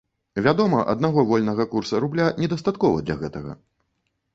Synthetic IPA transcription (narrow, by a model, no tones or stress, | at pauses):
vʲad̪ɔmɐʔɐ̰d̪naɣɔvɔlʲnɐɣɐkursɐɾublʲanʲɛd̪ɐst̪at̪kɔvɐ̰d̪lʲɐ̰ɣɛt̪ɐɣɐ̰